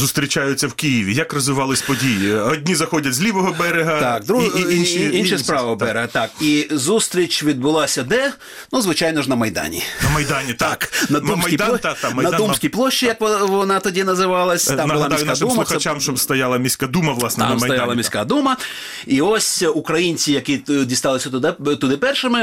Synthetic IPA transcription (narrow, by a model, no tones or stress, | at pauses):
zust̪ɾʲit͡ʃajʊt͡sʲːɐwkijɪʋʲijɐkrɔzʋɪʋɑlˠɪsʲpɔdʲijiɔdʲnʲizɐxɔdʲɐtʲzʲlʲiʋɔɦɔbɛɾeɦɐt̪akd̪ɾuinʃiinʃɪspɾɑʋɐɔb̪ɛɾɪɦɐt̪ɑkizust̪ɾʲit͡ʃʲʋʲid̪̚bʊlˠɑsʲɐd̪ɛ | nuzʋɪt͡ʃajnɔʒnɐmɐjd̪ɑ̰nʲḭnɐmɐjd̪anʲit̪aknɐumsɐjijd̪t̪amɐjnɐd̪umsʲkʲijplˠɔʃt͡ʃːijɐkʋɔʋɔnɑt̪ɔdʲinɐzɪʋɑlˠɐsʲmnbʊlˠamd̪iskadumɐʊxɐt͡ʃʲamʃɔst̪ɐjalˠɐmʲisʲkad̪umɐʋlˠɑsnɐmsɐjalˠɐmʲisʲka̰d̪umɐ | iɔsʲukɾɐjinʲt͡sʲijɐkʲidʲist̪ɑlˠɪsʲɐt̪ʊd̪ɪt̪ʊd̪ɪpɛrʃɪmɪ